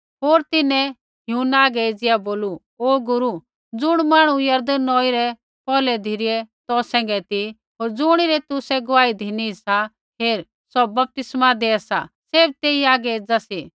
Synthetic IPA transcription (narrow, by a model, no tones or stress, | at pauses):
ɦoːɾt̪ɪnɛ | ɦjuːnaːɡɛeːd͡zɪjaboːlu | oːɡʊɾu | d͡zʊɽ̃maːɽ̃ũjɐɾd̪ənːɔːiɾɛ | pɔːlɛd̪ʱɪɾɪɛt̪ɔsɛ̃ːŋɡɛt̪i | ɦoːɾd͡zʊɽ̃iɾɛt̪ʊsɛɡʊʋaːid̪ʱɪnisa | ɦeːɾ | sɔbɐp̚t̪ɪsmad̪eːasa̰ | seːb̚t̪eːiaːɡɛeːd͡zasi